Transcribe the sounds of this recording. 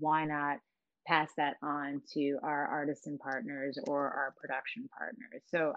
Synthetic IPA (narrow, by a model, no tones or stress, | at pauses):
waɪnɑt̚ | pʰæsðɨɾn̩tʰɨʔaʊə˞ʔɑɹɾɨstɨ̃npʰɑɹtⁿnə˞zə˞ʔa̰ʊə˞pʰɹ̥ɨdʌkʃɨ̃npʰɑ̰ɹtⁿnə̰˞z̥soʊ